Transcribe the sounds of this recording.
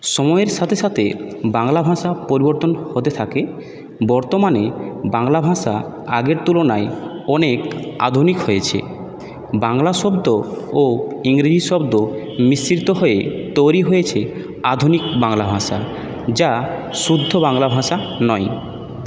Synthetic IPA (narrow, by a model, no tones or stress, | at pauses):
ʃɔmɔeɾʃat̪ʰeʃat̪ʰebaŋlabʱãʃapoɾiboɾt̪onhot̪et̪ʰake | bɔɾt̪omanebaŋlabʱãʃa̰ | aɡeɾt̪ulonaeɔneka̰d̪ʱunikɦojet͡ɕʰḛ | baŋlaʃɔbd̪ooiŋɾid͡ʑiʃɔbd̪o | misɾit̪oɦoet̪ojɾiɦojet͡ɕʰe | ad̪ʱunikbaŋlabʱãʃa̰ | d͡ʑaʃud̪ʱːobaŋlabʱãʃanɔj